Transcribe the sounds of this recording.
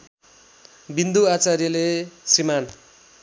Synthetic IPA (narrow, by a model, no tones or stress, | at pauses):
bind̪uat͡sarjʌlesriman